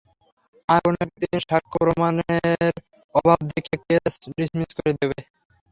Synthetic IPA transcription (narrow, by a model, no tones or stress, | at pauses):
aɔnek̚t̪inʃakʰːopɾomaneɾ | ɔbʱab̚d̪ekekesɖismiskoɾed̪eβe